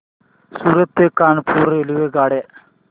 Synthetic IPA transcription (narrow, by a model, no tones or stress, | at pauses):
suːɾət̪ːekaːnpʰuːɾeːliʋeɡaːɽe